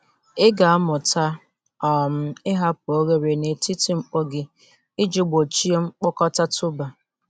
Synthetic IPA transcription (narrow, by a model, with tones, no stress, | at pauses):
ɪ˦ɡa˨a˦mʊ˨ta˦ | ɔ˨m̩˦ɪ˦ɦa˦po˦ɣe˦ɾe˨ne˨ti˦ti˦ŋ͡m̩˨k͡po˦ɡɪ˨ | ɪ˦d͡ʒi˦ɡ͡bo˨t͡ʃi˦e˦ŋ͡m̩˦k͡pʊ˦kɔ˦ta˦tʊ˦ba˨